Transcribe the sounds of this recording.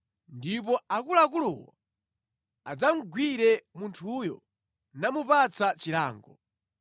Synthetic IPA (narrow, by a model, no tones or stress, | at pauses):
ndip̬ɔakulak̬ulɔ̰wa̰ | ad͡zam̩ɡwiɾɛmuntʰujɔ̰ | namupat͡sat͡ʃila̰ːŋɡɔ